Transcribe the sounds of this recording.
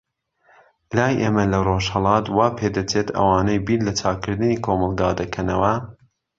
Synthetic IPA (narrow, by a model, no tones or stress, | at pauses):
laːjʔeːmɐlɐroʃhɐlˠɑːt̪wɑːpʰed̪ɐt͡ʃeːt̪ʰɐ̰wɑːnejbiːnlɐt͡ʃʰaːkɨɾd̪ɨniːkʰomɑlˠɡɑːd̪ɐkʰɐnɐwɐ